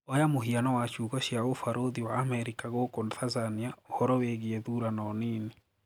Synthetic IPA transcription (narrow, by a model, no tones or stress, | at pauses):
ɔjamoɦianɔwat͡ʃuːɣɔɕjaofaɾoðiwaːmɛɾikaɣokonθazaniaohɔɾɔweɣieðuɾanɔniːni